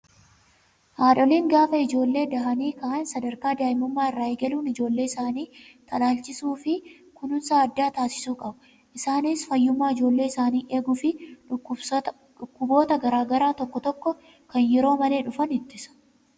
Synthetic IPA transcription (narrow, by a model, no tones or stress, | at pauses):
haːᶑɔliːŋɡaːfɐɪd͡ʒo̞ːlːe̞ːd̪ɐɦɐniːkɐʔansɐd̪ɐɾkaːd̪aːjɪmʊmːaːɪrːaːeːɡɐluːnɪd͡ʒo̞ːlːe̞ːɪsaːniːt̪ɐlaːlt͡ʃɪsuːfɪ | kʊnʊnsaːɐd̪ːaːt̪aːsɪ̥suːkʼɐbɐ | ʔɪsaːnisfɐjːʊmːaːɪd͡ʒo̞ːlːe̞ːɪsaːniːʔe̞ːɡʊfɪʊ | ʊkːʊbo̞ːt̪ɐɡɐɾaːɡɐɾaːt̪ɔkːɔt̪ɔkːɔ | kɐnjɛɾo̞ːmɐle̞ːᶑʊfɐnɪt̪ːɪsɐ̥